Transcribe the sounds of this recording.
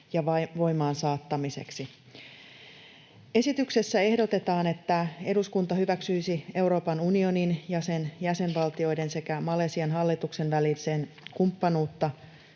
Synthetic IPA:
jɑʋɑʋo̞jmɑːnsɑːt̪ːɑmise̞̰ksi | e̞sit̪ykse̞sːæe̞hdo̞t̪e̞t̪ɑːne̞t̪ːæe̞duskunt̪ɑhyʋæksyjsie̞wɾo̞ːpɑnunio̞ninjɑse̞njæse̞nʋɑlt̪io̞jde̞nse̞kæmɑle̞ːsiɑnɦɑlːit̪ukse̞nʋælilse̞ːnkumpːɑnuːt̪ːɑ

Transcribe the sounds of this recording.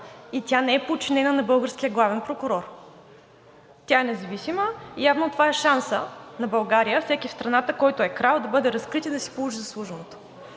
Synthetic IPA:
it̪ʲjanɛɛpot͡ʃinɛnənɐbɤlˠɡəɾsk̟ijəɡlˠavɛnpɾokʊɾɔɾ | t̪ʲjaɛnɛzɐvisiməijavnot̪ovaɛʃansənɐbɐlˠɡaɾijəfsɛkifst̪ɾɐnat̪əkɔjt̪oɛkɾalˠd̪ɐbɤd̪ɛɾɐskɾit̪id̪ɐsi̥polˠuʒizɐslˠuʒənot̪o̥

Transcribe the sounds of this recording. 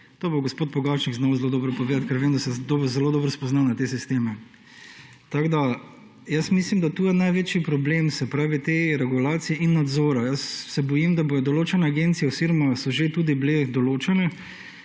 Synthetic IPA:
t̪oːboɡospoːt̪̚pɔɡawt͡ʃniɡznɔwzeloːd̪ɔːbɾɔpɔʋeːd̪at̪̚kɛɾʋeːmd̪asɛd̪oːbzɛloːd̪ɔːbɾɔspɔznawnat̪esist̪eːmɛ | t̪aɡd̪a | jəsmislimd̪at̪uːjɛnajʋet͡ʃipɾɔbleːmsɛpɾaːʋit̪eɾɛɡulaːt̪sijɛʔinːad̪zoːɾajəsːɛbɔjimd̪abojɔd̪ɔloːt͡ʃɛnɛaɡent̪sijɛsiɾmasɔʒet̪uːd̪ibled̪ɔloːt͡ʃanɛ

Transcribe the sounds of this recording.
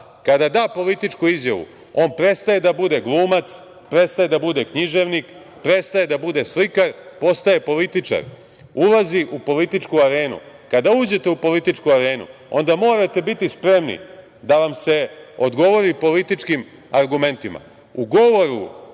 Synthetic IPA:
kad̪ad̪aːpo̞lit̪it͡ʃkuizjaʋṵ | o̞ːnpɾe̞t̪st̪aje̞d̪abud̪e̞ɡlˠuːmat̪s | pɾe̞t̪st̪aje̞d̪abud̪e̞kɲiʒe̞ʋnik | pɾe̞t̪st̪aje̞d̪abud̪e̞slikaɾpo̞st̪aje̞po̞lit̪it͡ʂa̰ɾ | ulaziʔupo̞lit̪it͡ʂkuaɾe̞ːnṵ | kad̪auːd͡ʑe̞t̪e̞upo̞lit̪it͡ʂkuaɾe̞ːnṵ | o̞̰nd̪amo̞ːɾat̪e̞bit̪ispɾe̞mnḭ | d̪aʋamse̞o̞d̪ɡo̞ʋo̞ɾipo̞lit̪it͡ʂkim | aɾɡume̞nt̪ima̰ | uɡo̞ʋo̞ɾṵ

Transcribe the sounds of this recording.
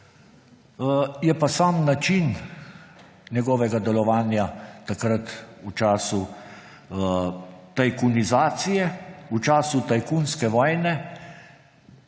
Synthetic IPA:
jɛpasaːmnat͡ʃin | nʲɛɡɔːʋɛɡad̪ɛlɔʋaːnjat̪akɾət̪ut͡ʃaːsu | t̪ajkunizaːt̪sijɛut͡ʃaːsut̪ajkunskɛʋɔːjnɛ

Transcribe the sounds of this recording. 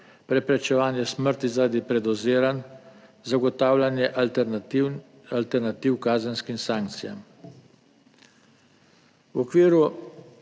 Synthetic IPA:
pɾɛpɾɛt͡ʃɛʋaːnjɛsməɾt̪izaɾad̪ipɾɛd̪ɔzeːɾan | zaɡɔt̪aːwlanjɛʔ | alt̪ɛɾnat̪iwkaːzənskimsaːŋk̚t̪sija̰m | wɔkʋiːɾu

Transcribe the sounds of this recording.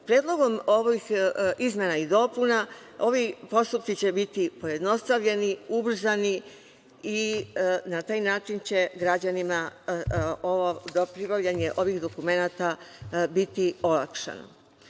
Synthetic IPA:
pɾje̞ːd̪lˠo̞ɡo̞mo̞ʋixizmʲenaid̪o̞puna | o̞ʋipo̞st̪upt̪it͡ɕe̞bit̪ipo̞je̞d̪no̞st̪aʋʎe̞niubr̩zani | inat̪aːjnaːt͡ʃint͡ɕe̞ɡɾad͡ʑanima | oʋod̪opɾibaʋʎaɲe̞ʔo̞ʋixd̪o̞kume̞nat̪abit̪io̞la̰kʃa̰no̰

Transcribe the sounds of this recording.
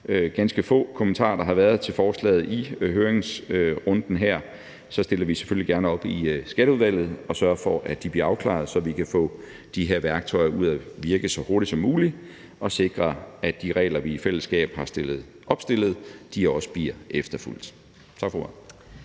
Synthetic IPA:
ɡ̥ænsɡ̥əfɔ̰̽ːkʰomənt͡sʰɑ̰̈ːɐd̥ɑ̈ɦɑ̈ʋæɐð̞̩ˠt͡sʰe̝lfɒːslɛ̰ːð̩ˠiɦøːɐeŋsʁɔ̽nd̥n̩ɦæɐ̰ | sɒ̽sd̥e̝lɐʋise̥følliɡ̥æɐnəɒ̽b̥isɡ̥æɾ̥əuðˠʋæl̰ð̞̩ˠɒ̽sɶɐfɒ̽ʔæd̥ib̥liːɐɑ̈ʊkʰlɑ̰̈ð̩ˠsɒ̽ʋikʰæfɔ̰ː | d̥iɦe̝ɐʋæɐɡ̥̚t͡sʰɒ̽ɪɐʔuð̰ˠæʋiɐɡ̥ðsɒ̽ho̝ɐɾidsɒ̽mːuːli | ʔɒ̽se̝ɡ̥ʁɐæ̥iʁɛ̰ːlɐʋiːfel̰əsɡ̥ɛ̰ːb̥hɑ̈sd̥elð̩ˠ | ʔɒ̽b̥sd̥e̝l̰ð̞̩ˠd̥iɒ̽sə̥b̥iɐʔefd̥ɐful̰d̥ | t͡sʰɑ̈ɡ̥f

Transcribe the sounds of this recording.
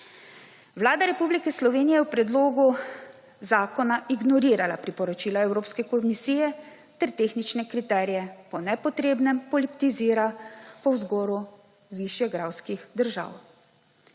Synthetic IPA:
ʋlaːd̪aɾɛpublikɛslɔʋeːnijɛjɛwpɾɛd̪loːɡu | zaːkɔnaʔiɡnɔɾiːɾalapɾipɔɾɔt͡ʃiːlaɛwɾoːpskɛkɔmisiːjɛ | t̪ɛɾt̪eːxnit͡ʃnɛkɾit̪ɛːɾijɛpɔnɛpɔt̪ɾeːbnɛmpɔlipt̪iziːɾapɔwzɡɔːɾu | ʋiʃjɛɡɾawskixd̪əɾʒa̰w

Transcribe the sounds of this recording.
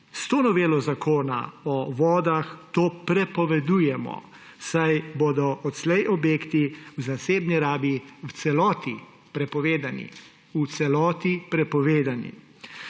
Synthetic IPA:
st̪oːnɔʋeːlɔzakʰoːna̰ɔʋɔːd̪axt̪oːpɾɛpɔʋɛd̪uːjɛmɔ̰ | sajboːd̪ɔʔɔt̪slɛjʔɔbjeːkt̪iwzaseːbniɾaːbiwt̪sɛlɔːt̪i | pɾɛpɔʋeːd̪anḭ | ut̪sɛlɔːt̪ipɾɛpɔʋeːd̪anḭ

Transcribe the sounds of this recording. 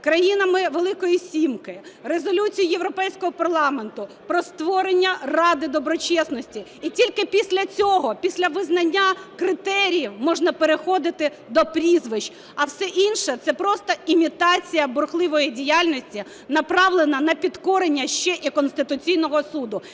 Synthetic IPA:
kɾɐjinɐmɪʋelˠɪkɔjisʲimkɪrezɔlʲut͡sʲijijeʋɾɔpɛjsʲkɔɦɔpɐrlˠɑment̪ʊ | pɾɔst̪ʋɔɾenʲːɐrɑd̪ɪd̪ɔbɾɔt͡ʃɛsnɔsʲtʲiːtʲilʲkɪpʲisʲlʲɐt͡sʲɔɦɔpʲisʲlʲɐʋɪznɐnʲːakɾɪt̪ɛɾʲijiwmɔʒnɐpeɾexɔd̪ɪt̪ɪ | d̪ɔpɾʲizʋɪʃ | ɐwsɛʔinʃɛt̪sɛpɾɔst̪ɔimʲit̪ɑt͡sʲijɐbʊrxlˠɪʋɔjidʲijalʲnɔsʲtʲi | nɐpɾɑʋlˠenɐnɐpʲit̪kɔɾenʲːɐʃt͡ʃɛʔikɔnst̪ɪt̪ʊt͡sʲijnɔɦɔsud̪ʊ

